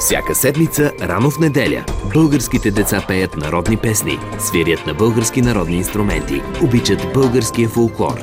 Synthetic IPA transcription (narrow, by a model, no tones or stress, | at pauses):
fsʲa̰kəsɛd̪mit̪səɾanofnɛd̪ɛlʲə̰bɤlˠɡəɾskit̪ɛd̪ɛt̪sapɛjət̪nɐɾɔd̪nipɛsnḭsviɾjət̪nɐbɤlˠɡəɾskinɐɾɔd̪niːnst̪ɾʊmɛnt̪ḭobit͡ʃət̪bɤlˠɡəɾskijəfolˠklˠɔ̰ɾ